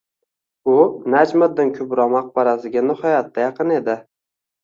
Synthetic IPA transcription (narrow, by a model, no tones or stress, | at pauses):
ʊnad͡ʒmad̪ːɪnkʲʰʊbɾɒmɑq̚baɾasɪɡʲanɪhɒjat̪ʰːajɑqɨne̞d̪ɪ